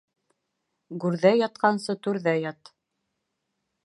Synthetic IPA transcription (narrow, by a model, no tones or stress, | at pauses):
ɡʉɾðæjɑt̪̚qɑnsɤt̪ʉɾðæjɑt̪